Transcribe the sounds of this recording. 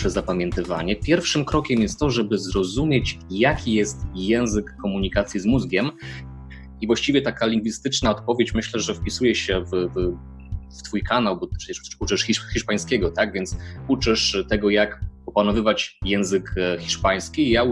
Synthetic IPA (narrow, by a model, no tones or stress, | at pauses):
ʂɛzapamʲjɛnt̪ɘva̰ɲɛpʲjɛɾfʂɘmkɾɔkʲɛmjɛst̪t̪ɔʐɛbɘzɾɔzumʲjet͡ɕjakʲijɛst̪jɛ̃w̃zɘkːɔmuɲikat̪sʲjizmuzɡʲɛm | ivwaɕt͡ɕivʲjɛt̪akalʲiŋɡvʲist̪ɘt͡ʂnaɔt̪̚pɔvʲjet͡ɕmɘɕlɛʐɛfpʲisujɛɕɛvv | ft̪fujkanawbɔʂɛ̥t͡ɕɛʂput͡ʂɘʂxʲixʲiʂpaj̃skʲɛɡɔt̪aɡvʲjɛnt̪sut͡ʂɘʂt̪ɛɡɔjakɔpanɔvɘvat͡ɕjɛ̃w̃zɘkxʲiʂpaj̃skʲijau